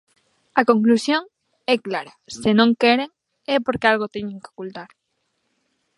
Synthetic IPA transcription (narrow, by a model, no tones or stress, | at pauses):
ɐkoŋklusjoŋ | ɛklaɾasɪnõŋkɛɾeŋ | ɛpoɾkealɣot̪ɛɲẽŋkeo̥kult̪aɾ